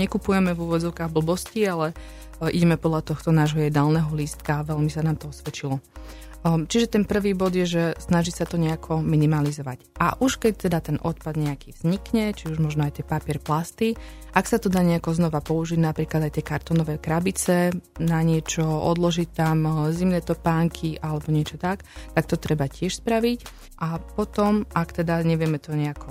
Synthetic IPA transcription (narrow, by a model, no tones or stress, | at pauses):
ɲɛkupujɛmɛvuʋɔd͡zɔʊkaːɣbl̩bɔscialɛ | ʔḭɟɛmɛpɔd̪lat̪ɔxt̪ɔnaːʒɦɔjɛd̪aːlnɛɦɔliːst̪kaːʋɛʎmisanaːmt̪ɔɔsʋɛt͡ʃilɔ | t͡ʃiʒɛt̪ɛnpr̩ʋiːbɔd̪jɛʒɛsnaʒisat̪ɔɲɛakʰɔminimalizɔʋa̰cʔa̰ʔuʃkɛc̚t̪ɛd̪at̪ɛnʔɔt̪̚pad̪ɲɛakiːvz̥ɲikɲɛt͡ʃiuʒmɔʒnɔajt̪ɪɛpapɪɛɾplast̪i | ʔaksat̪ɔd̪aːɲɛakɔznɔʋapɔuʒiɟnapɾiːklad̪ajt̪ɪɛkaɾt̪ɔnɔʋɛːkɾabit͡sɛnaɲɪɛt͡ʃɔɔ̰d̪lɔʒict̪amzimnɛːt̪ɔpaːŋkʰiʔalɛbɔɲɪɛt͡ʃɔt̪akt̪ak̚t̪ɔt̪ɾɛbacɪɛʃspɾaʋic | ʔapɔt̪ɔmʔakt̪ɛd̪aɲɛʋɪɛmɛt̪ɔɲɛakʰɔ